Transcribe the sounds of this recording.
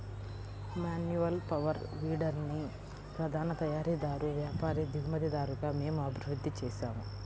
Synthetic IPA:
maːnjuʋɐlpɐʋɐɾʋiːɖɐɾni | pɾɐd̪ʱaːnɐt̪ɐjaːɾid̪aːɾuʋjaːpaːɾid̪iɡumɐd̪ɐd̪aːɾuɡaːme̞ːmuɐbʱiɾud̪ːit͡ʃɛːʃaːmu

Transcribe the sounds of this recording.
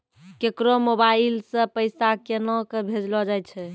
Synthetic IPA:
kekɾomobailsə̃pəjsakenɔkebʱed͡ʒlɔd͡ʒajt͡ʃʰɛ

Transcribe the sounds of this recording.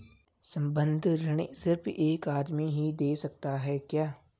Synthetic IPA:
sɐ̃mbə̃nd̪ʱɾɐɽ̃esɪɾfeːkaːd̪miɦid̪eːsɐk̚t̪aɦɛːkjaː

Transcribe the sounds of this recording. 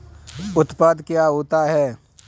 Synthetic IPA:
ʊt̪paːd̪kjaːɦoːt̪aɦɛː

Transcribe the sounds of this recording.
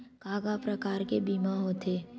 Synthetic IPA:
kaːɡapɾɐkaːɾkebiːmaɦoːt̪ʰeː

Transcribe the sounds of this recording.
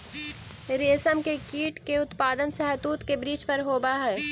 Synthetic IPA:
ɾeːsəmkekiːʈkeʊt̪paːd̪ənsɛɦət̪uːt̪kebɾiːt͡ʃpɐɾɦoːbaɦɛː

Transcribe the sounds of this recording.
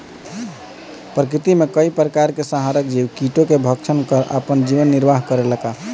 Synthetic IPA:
pɾəkɾit̪imekəipɾəkaɾkesaɦaɾəkd͡ʒiwkiʈokebʱəkt͡ʃʰənkəɾʔə̰pənd͡ʒiʋənːiɾbaɦkəɾeləka

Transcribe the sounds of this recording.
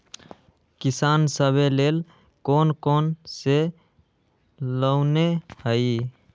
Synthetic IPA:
kɪsaːnsəbʱeleːl | koːnkoːnse | ləʊnehəi

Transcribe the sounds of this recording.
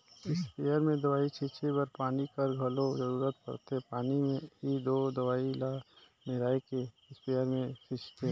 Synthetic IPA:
ɪspeːjəɾmẽd̪əwaːit͡ʃʰɪt͡ʃʰebəɾpaːnikəɾɡʱəlozəɾuːɾət̪̚pə̰ɾt̪epaːnimẽid̪oːd̪əʋaːila | meɾaːeke | ɪspejəɾmẽt͡ʃʰɪt͡ʃt̪e

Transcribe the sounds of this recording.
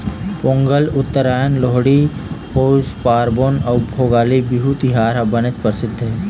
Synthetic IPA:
põːŋɡəlʊt̪ːəɾaːjənloɦɽipoːzpaːɾboːnɐːbʱoːɡaːlibiɦut̪ɪɦaːɾɦabənət͡ʃpəɾsɪd̪ʱːɦɛː

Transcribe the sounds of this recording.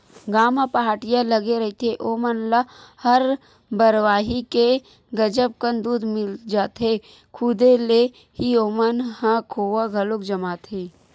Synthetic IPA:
ɡaːmapaɦaːʈijãlɐɡeɾɐɦit̪ʰeʔoːmənlahɐɾ | bɐɾʋaːɦike | ɡɐd͡ʒəb̚kənd̪uːd̪mɪld͡ʒaːt̪e | kʰʊd̪ele | hioːmənhãkʰoːwaɡʱɐlokd͡ʒɐmaːt̪ɦeː

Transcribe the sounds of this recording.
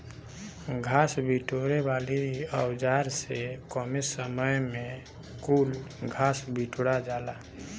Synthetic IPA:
ɡʱaːsbʱiʈoɾebaːliəwd͡ʒaɾsekɔmesəməjmẽ | kulɡʱaːsbiʈɽad͡ʒaːla

